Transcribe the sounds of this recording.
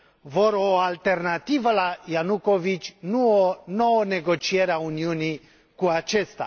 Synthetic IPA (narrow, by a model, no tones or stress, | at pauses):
voɾoalt̪e̞rnat̪ivəlajanuko̞vit͡ʃʲnuonowəne̞ɡo̞t͡ʃie̞ɾeauniuni | kuat͡ʃe̞st̪a̰